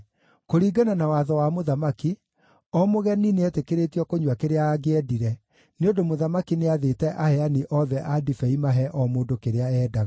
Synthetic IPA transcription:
koɾiːɡananawaðɔwamoðamaki | ɔmoɣɛnineɛtekeɾetiɔkoɲwakeɾeaːɡeɛdiɾɛ | neondomoðamakineaðetɛʔahɛaniʔɔðɛʔadifɛimaɦɛʔɔmoːndokeɾeaɛːdaɣ

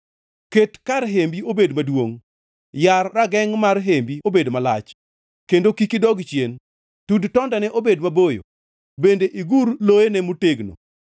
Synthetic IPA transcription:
ketkaɾɦembiobedmadwoŋ | jarːaɡɛŋmarɦembiobedmala̰t͡ʃ | kendokikidɔɡt͡ʃjen | tudtɔndanɛʔobedmabojo̰ | bendeʔiɡuɾlojenɛmuteɡno̰

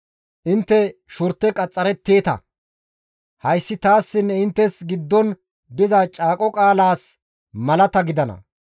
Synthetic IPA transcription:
ʔɪnt̪ːɛʃʊɾt̪ːɛkʼɐt͡sʼːɐɾɛt̪ːe̞ːt̪ɐ̰ | hɐjsːɪt̪aːsːɪnːɛɪnt̪ːɛsɡɪd̪ːɔn | d̪ɪzɐt͡ʃʼaːkʼɔkʼaːlaːs | mɐlɐt̪ɐɡɪd̪ɐnɐ̰

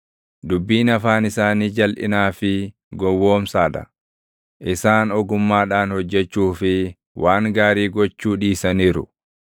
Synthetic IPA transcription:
d̪ʊbːiːnɐfaːnɪsaːniːd͡ʒɐlʔɪ̰naːfɪ | ɡɔwːo̞ːmsaːd̪ɐ̰ | ʔɪsaːnɔɡʊmːaːᶑaːnhɔd͡ʒːɛt͡ʃːuːfɪ | wʔaːŋɡaːɾiːɡɔt͡ʃːuːᶑiːsɐniːɾʊ̰

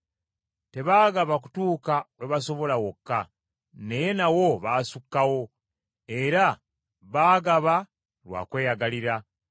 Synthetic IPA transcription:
te̞βaːɡaβak̬u̥tuːkaweβaso̞βo̞lawokːa | ne̞je̞nawo̞βaːsukːawo̞ | e̞ɾa | βaːɡaβa | lwa̰ːkwe̞ːjaɡaliɾa

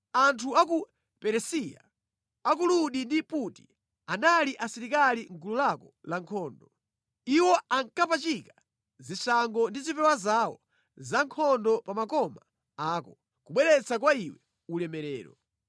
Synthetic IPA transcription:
antʰuak̬u | pɛɾɛsija̰ | ak̬uluɗindiputi | analiʔasiɾikaliŋkululakɔlaŋkʰɔːndɔ | iwɔaŋkapat͡ʃika | zisaŋɡɔndizipɛwazawɔ | zaŋkʰɔndɔpamakɔma | aːkɔ | kuɓwɛɾɛt͡sʰakwaiwɛ | ulɛmɛɾɛ̰ːɾɔ̰

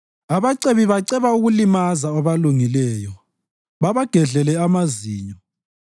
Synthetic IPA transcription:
aβaǀeβiβaǀɛβauɣulimazaɔβaluŋilɛːjɔ | βaβaɡ̥ʱɛɮɛlɛamaziːɲɔ

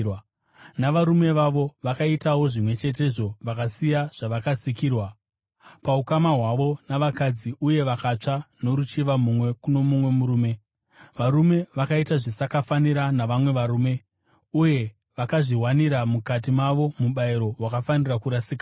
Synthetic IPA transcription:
naʋaɾume̞ʋaʋo̞ʋakaitawo̞ʐimwe̞t͡ʃe̞t̬e̞ʐo̞ʋakasijaʐ̥aʋakasikiːrwa | paukamaɦwaʋo̞naʋakad͡ziʔuje̞ʋakat͡ʂano̞ɾut͡ʃiʋamumwe̞kuno̞mumwe̞muɾuːme̞ | ʋaɾume̞ʋakaitaʐisakafaniɾanaʋamwe̞ʋaɾuːme̞ | uje̞ | ʋakaʐiɦwaniɾamukat̬imaʋo̞muɓaiɾo̞ɦwakafanirakuɾasika

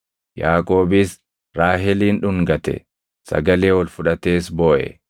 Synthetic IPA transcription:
jaːkʼo̞ːbɪs | ɾaːɦɛliːnᶑʊŋɡɐt̪ɛ̰ | sɐ̰ɡɐle̞ːwɔlfʊᶑɐt̪eːsbo̞ːʔɛ̰

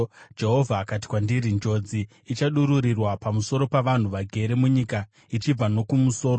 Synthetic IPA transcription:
d͡ʒe̞ɦo̞vʱaːkat̬i̥kwandiɾind͡ʒo̞d͡ziː | t͡ʃaɗuɾuɾirwapamuso̞ɾo̞paʋan̤uʋaɡʱe̞ɾe̞muɲika | it͡ʃib͡vano̞kumuso̞ːɾo

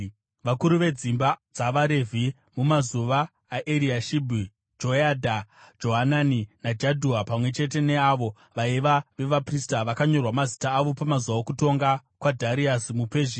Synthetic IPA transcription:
ʋakuɾuʋe̞d͡zimbad͡zaʋaɾevʱi | mumazuʋaː | ʔeɾiaʃibʱi | d͡ʒojadʱad͡ʒo̞ɦananinad͡ʒadʱuapamwe̞t͡ʃe̞te̞ne̞aʋo | ʋaiʋaʋe̞ʋapristaʋakaɲo̞rwamazitaːʋo̞pamazuwaokuto̞ŋɡakwadʱaɾiasmupeːʒi

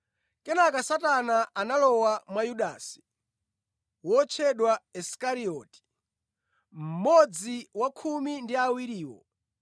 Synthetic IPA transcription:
kɛnakasatanaʔanalɔwamwajuɗasi̥ | wɔt͡ʃʰɛɗwaɛskaɾiɔːti̥ | m̩mɔd͡ziwakʰumindiawiɾiːwɔ̰

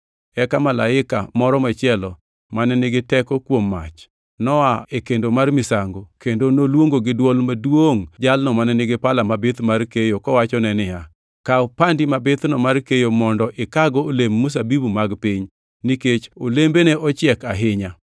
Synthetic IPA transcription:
ɛkamala̰ɪka̰mɔɾɔmat͡ʃɪɛlɔ | manɛnɪɡɪtɛkɔkwomːa̰t͡ʃ | nɔaekendomarmɪsaŋɡokendonolwoŋɡoɡɪdwɔlmadwoŋd͡ʒalnɔmanɛnɪɡɪpalamabɪt̪markejokɔwat͡ʃɔnɛnɪja | kaopandimabɪt̪nɔmarkejomɔndɔʔɪkaɡɔːlemːus̬abibumaɡpɪɲ | niket͡ʃolembeneʔɔt͡ʃɪɛkaɦɪɲa

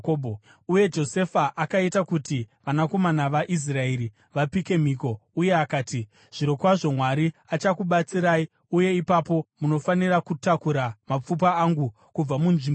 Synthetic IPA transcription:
obʱo | uje̞d͡ʒo̞se̞faʔakaitakutiʋanako̞manaʋaʔis̬rae̞ɾi | ʋapike̞m̤iko̞uje̞akaːti | ʐ̥iɾo̞kwaʐo̞mwaɾiat͡ʃakuɓat͡siɾaːi | uje̞ipapo̞muno̞fanirakutakuɾamap͡fup̬aːŋɡu | kub͡vamunʐim

